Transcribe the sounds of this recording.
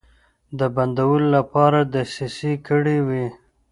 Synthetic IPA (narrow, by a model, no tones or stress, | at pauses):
d̪əband̪awəlolapɑɾad̪əsisikəɽiwi